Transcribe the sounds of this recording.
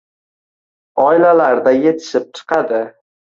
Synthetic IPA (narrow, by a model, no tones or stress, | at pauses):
ɒɪlalaɾd̪aje̞t̪ʰɪ̥ʃɪp̚t͡ʃʰɨ̥qʰɑd̪ɪ